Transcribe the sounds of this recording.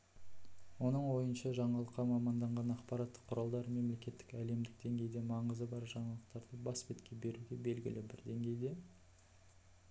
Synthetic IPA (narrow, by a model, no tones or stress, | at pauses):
wo̞nəɴwo̞jənʃɑʒɑɴɑlˠəqːɑmɑmɑnd̪ɑɴʁɑnɑqpɑɾɑt̪ːə̥qʰːʊɾɑlˠd̪ɑɾme̞mle̞kʲe̞t̪ːɪkæle̞md̪ɪk̚d̪e̞ŋɡʲe̞jd̪e̞mɑɴəzəbɑɾʒɑɴɑlˠəq̚t̪ɑɾd̪əbɑsbet̪kʲe̞be̞ɾuɡʲe̞be̞lɡʲɪ̰lɪbɪɾd̪e̞ŋɡʲe̞jd̪e̞